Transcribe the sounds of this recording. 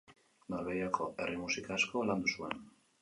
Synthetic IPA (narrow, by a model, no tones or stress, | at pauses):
noɾβejakʰo̞e̞rimusikasko̞land̪usue̞n